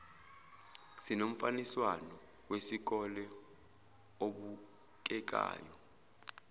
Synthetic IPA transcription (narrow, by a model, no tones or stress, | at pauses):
sinom̩faniswanɔ | wesik̬ɔlɛ | oɓu | k̬ʼɛk̬ʼa̰ːjɔ